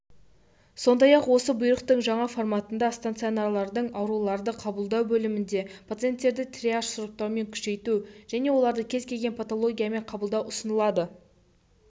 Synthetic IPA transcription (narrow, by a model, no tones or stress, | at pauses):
so̞nd̪ɑjɑqwo̞səbʊjɾəqt̪əɴʒɑɴɑfo̞rmat̪ənd̪ɑst̪ant̪sɨonaɾlˠɑɾd̪əɴɑwɾulˠɑɾd̪əqʰɑbəlˠd̪ɑwbɵlɪmɪnd̪e̞pʰat̪sɨe̞nt̪ːe̞ɾd̪ɪt̪ʰrʲiaʂsʊɾəp̚t̪ɑɾme̞ŋkʲʰʏ̥ʃe̞jt̪uʒ̥æne̞wo̞lˠɑɾd̪əkʲʰe̞zkʲʰe̞lɡʲe̞npʰat̪o̞lˠo̞ɡʲijame̞ɴqʰɑbəlˠd̪ɑwʊsənəlˠɑd̪ə